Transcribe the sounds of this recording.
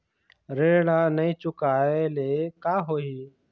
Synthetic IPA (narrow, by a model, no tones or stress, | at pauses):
ɾeːɽɽãːnəɦĩːt͡ʃʊkaːeleːkaːɦoːiː